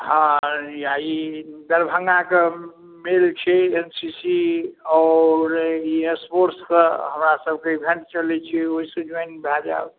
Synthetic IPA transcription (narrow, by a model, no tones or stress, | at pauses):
ɦãjaid̪əɾbʱəŋɡake | melt͡ʃʰɛensisiɔːɾiespoɾskeɦəmɾasəb̚ʱkeibʱẽɳʈt͡ʃəlɛt͡ʃʰioɦisə̃d͡ʒenbʱad͡ʒa̰b